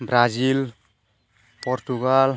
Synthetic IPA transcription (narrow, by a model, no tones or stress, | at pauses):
bɾad͡ʒil | pɔɾtuɡal